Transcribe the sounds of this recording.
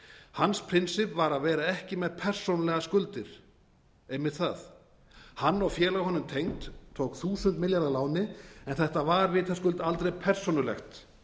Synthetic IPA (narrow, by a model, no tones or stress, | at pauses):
hanspʰɾɪnsɪpvaɾaðvɛːɾaɛhcɪmɛðpʰɛr̥sownalɛɣaskʏlt̪ɪɾ̥ | ejmɪðθaθ | hanːɔwfjɛːlaɣhɔnːʏmt̪ʰejŋt̪ʰːoːwkθuːsʏnt̪mɪljaɾðalaːwnɪɛnθɛht̪avaɾvɪːt̪ʰaskʏlt̪alt̪ɾejpʰɛr̥sownʏɾlɛ̰xt̪